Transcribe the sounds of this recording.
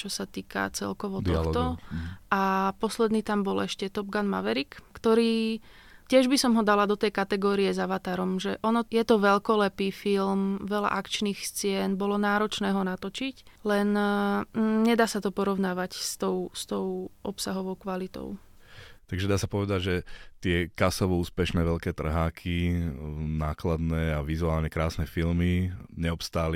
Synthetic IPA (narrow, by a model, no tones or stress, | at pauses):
t͡ʃɔsat̪iːka̰t͡sɛ̰lkɔʋɔd̪ɔal̰t̪ɔʔapɔslɛd̪niːt̪ambɔlɛʃcɛt̪ɔb̚ɡanma̰ʋɛɾikkt̪ɔɾiː | cɪɛʒbisɔmɦɔd̪alad̪ɔt̪ɛjkat̪ɛɡɔːɾijɛzaʋat̪aɾɔmʒɛʔɔnɔjɛt̪ɔʋɛʎkɔlɛpiːfilmʋɛla̰ʔakt͡ʃniːxst͡sɪɛnbɔlɔnaːɾɔt͡ʃnɛːɦɔnat̪ɔt͡ʃiclɛn | ɲɛd̪aːsat̪ɔpɔɾɔʊnaːʋacst̪ɔʊst̪ɔʔɔpsaɦɔʋɔʊkʋalit̪ɔ̰ʊ | t̪aɡʒɛd̪aːsapɔʋɛd̪aɟʒɛt̪ɪɛkasɔʋɔuːspɛʃnɛːʋɛʎkɛːt̪r̩ɦaːkʰi | naːklad̪nɛːaʋizuaːlɲɛkɾaːsnɛfilmiɲɛɔpst̪aːli